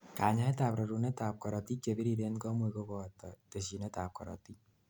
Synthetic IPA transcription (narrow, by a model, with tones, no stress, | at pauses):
ka˨ɲa˦ɛ˦taː˨pɾɔ˨ɾu˨nɛ˦taː˨p̚kɔ˨ɾɔ˨ti˦t͡ʃe˨bi˦ɾi˦de˦nkɔ˦mu˦i˨ko˦bɔ˨tɔt̪ə˨si˨nɛ˦ta˨p̚kɔ̰˨ɾɔ̰˨t̪i˦